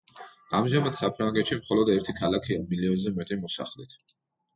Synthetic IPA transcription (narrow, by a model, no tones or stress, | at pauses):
amʒamad̪̥sapʰɾaŋɡɛt̪ʃimχɔlɔd̪ɛɾt̪ʰikʰalakʰiamiliɔnzɛmɛt̪ʼimɔsa̰χlit̪ʰ